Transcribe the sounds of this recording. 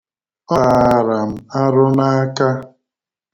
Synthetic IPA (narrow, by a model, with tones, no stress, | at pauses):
ɔ˦a˨ɾa˨m̩˨a˦ɾʊ˦na˦a˦ka˦